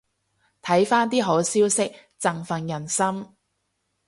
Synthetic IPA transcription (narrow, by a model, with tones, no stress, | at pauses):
t̪ʰɐ˨˥jfaː˥nt̪iː˥ɦo˨˥wsiː˥wsɪ˥k̚ | t͡sɐ˨ŋfɐ˨njɐ˨˩nsɐ˥m